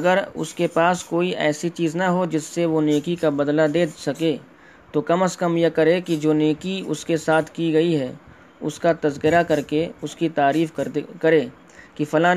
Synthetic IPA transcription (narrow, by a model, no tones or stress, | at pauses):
ɐɡəɾʊ̰skepaːskoːiʔɛ̰ːsit͡ʃiːznɐɦod͡ʒɪsːeʋoneːkikabɐd̪lad̪eːsɐke | t̪okɐməskɐmjekɐɾekid͡ʒoːneːkiʊ̰skesaːt̪ʰkiɡɐiɦɛː | ʊskat̪ɐzkɪɾakɐɾkeʊskit̪aːɾiːfkɐɾeː | kifɐlaː